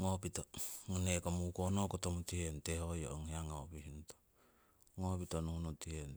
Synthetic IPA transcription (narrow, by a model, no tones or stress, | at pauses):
ŋopitoŋanekomukonokotomutihentehojo̰ʔoŋheaŋaopihinto̥ | ŋopitonuhunotien